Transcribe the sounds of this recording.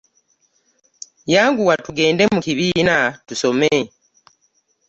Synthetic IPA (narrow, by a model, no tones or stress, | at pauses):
jaːŋɡuwatuɡe̞ːnde̞mukiβiːnatuso̞me